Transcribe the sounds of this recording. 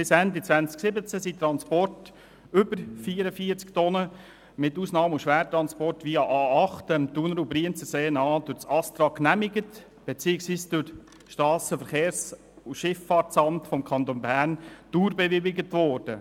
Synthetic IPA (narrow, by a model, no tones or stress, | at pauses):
b̥ɪsændit͡sʋænt͡sksɪbət͡sæsit̪ɾɑnspɔrt | ʏbəɾfiːɾəfiːəɾt͡sktɔnə | mɪtːuːsnɑːmuʃʋæːɾtɾɑnspɔrtʋiːɑʔɑːɑχtəmt̪unəɾubɾiənt͡səseːnɑːd̥̪ʊɾt͡sɑst̪ɾɑkːnæmɪɡət | b̥et͡siːɪksʋiːsd̥ʊɾ | ʃtɾɑːsəfəɾχeːɾs | uʃɪfːɑːɾt͡sɑmtfɔmkʰɑnt̪onbæːɾnd̥uːɾbɛʋɪbɪɡətʋɔːrd̥ə